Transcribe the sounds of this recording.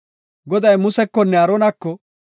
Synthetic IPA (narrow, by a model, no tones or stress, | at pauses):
ɡɔd̪ɐjmʊsɛkːɔnːɛɐɾoːnɐkːɔ